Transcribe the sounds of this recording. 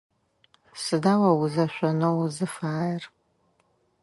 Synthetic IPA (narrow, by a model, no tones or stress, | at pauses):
sɨdaːwɐwʊzɐʃʷɔnowzɨfaːjr